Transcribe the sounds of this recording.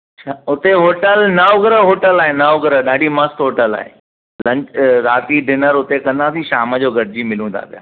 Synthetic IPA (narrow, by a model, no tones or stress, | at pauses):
ʃʰaʊt̪eɦoːʈəlnɐoɡɾəɦoːʈəlaːɦenɐoɡɾəɗaːɖimɐst̪ɦoːʈəla̰ːɦḛ | lɐ̃ɲt͡ɕɾaːt̪iɖɪnəɾʊt̪ekɐ̃nd̪asĩʃaːməd͡ʑoːɡʱɐɽd͡ʑimɪlũt̪ʰa̰ːpija̰ː